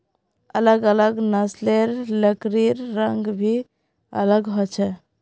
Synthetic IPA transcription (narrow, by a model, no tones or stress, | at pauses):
ələɡələɡnəsleɾləkɾiɾːəŋɡbʱi | ə̰ləɡɦɔt͡ʃʰɛ